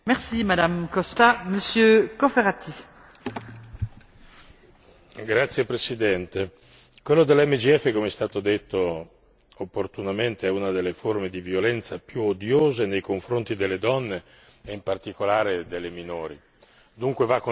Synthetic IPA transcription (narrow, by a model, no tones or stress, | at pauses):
mɛʁsimad̪amkɔst̪aməsjøkofeʁat̪ʰi | ɡɾat̪sːjepɾesid̪ɛnt̪e | kwelːod̪elɛmːed͡ʒiɛfːekomeɛst̪aːt̪od̪et̪ːo | opːort̪unament̪eɛunad̪elːeformed̪ivjolɛnt̪sapjuod̪joːzenejkoɱfɾont̪id̪elːed̪ɔnːe | eimpart̪ikolaːɾed̪elːeminoːɾi | d̪uŋkwevakːo